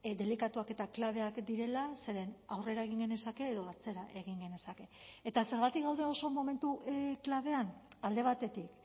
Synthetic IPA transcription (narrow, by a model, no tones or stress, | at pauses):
d̪e̞likat̪uake̞t̪aklaβ̞e̞akd̪iɾe̞lase̞ɾe̞nawre̞ɾae̞ɣ̞iŋɡe̞ne̞sake̞ːðo̞at͡se̞ɾaʔe̞ɣ̞iŋɡe̞ne̞sake̞ːt̪ase̞ɾɣat̪ikɡawðeo̞so̞mo̞me̞nt̪uklaβ̞e̞an | ald̪e̞β̞at̪e̞t̪ik